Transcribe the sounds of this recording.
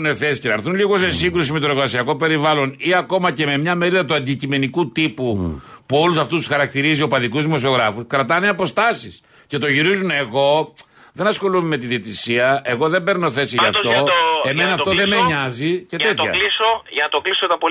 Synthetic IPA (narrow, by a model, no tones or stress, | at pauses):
ne̞θe̞si̥cenɐɾθunliɣo̞se̞siŋɡɾus̬imit̪oɾoɣɐsiɐko̞pe̞ɾivɐlo̞niɐko̞mɐce̞me̞mɲɐme̞ɾiðɐt̪uɐnd̪icime̞nikut̪ipupuo̞lusɐft̪ust̪u̥sxɐɾɐk̚t̪iɾizio̞pɐðikuzðimo̞sio̞ɣɾɐfuskɾɐt̪ɐne̞ɐpo̞st̪ɐsis | ce̞t̪o̞ʝiɾizune̞ɣo̞ | ðe̞nɐsxo̞lumeme̞t̪iðit̪isiɐe̞ɣo̞ðe̞mbe̞ɾnoθe̞siʝɐft̪o̞emenɐftt̪oðemeɲɐzice̞t̪et̪çɐ̰lisoʝɐnɐt̪oɡlisot̪ɐpo